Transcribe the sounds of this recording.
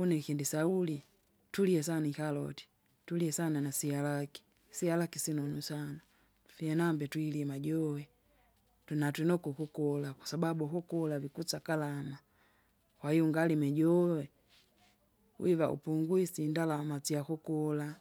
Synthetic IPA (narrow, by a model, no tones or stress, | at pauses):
unɛkindisauli | tuliɛs̬anikalɔ̰ti̥ | tuliɛsananasialaki̥ | sialakisinɔnusana | vianambɛtwiliɛmaɟɔwɛ | tunatwɛnɔkukukɔlakwḁsababukukɔlavikut͡sakalama | kwahijuŋɡalimɛɟɔwɛ | w̰iva̰ṵpuŋɡwisindalamat͡siakukɔla